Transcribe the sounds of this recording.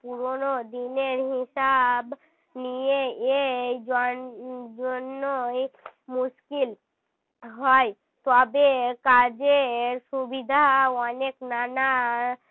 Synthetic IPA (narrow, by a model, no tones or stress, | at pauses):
puɾonod̪ineɾɦɪsab | nijeed͡ʒ | d͡ʒonːo | muʃkil | ɦɔj | t̪ɔbekad͡ʒeɾsubid̪ʱaɔneknana